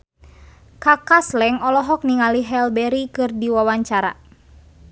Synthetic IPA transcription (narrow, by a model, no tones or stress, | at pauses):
kakaslɛŋɔlɔɦɔk̚niŋaliɦɛlbɛɾikɨrdiwawaɲt͡ʃaɾa̰